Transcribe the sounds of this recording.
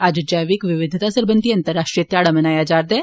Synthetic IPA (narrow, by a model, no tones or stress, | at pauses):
ad͡ʒd͡ʒəjʋɪkʋɪʋɪd̪ʱɪt̪asəɾbə̃nd̪iɐ̃nt̪əɾːaːʃʈɾijət̪jaːɽamɐnaːjad͡ʒaːɾd̪ɛː